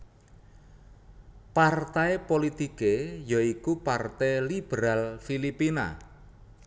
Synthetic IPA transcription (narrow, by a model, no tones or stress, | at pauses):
part̪aepolit̪ikejɔikupart̪ɛlib̥eɾalfilipina̰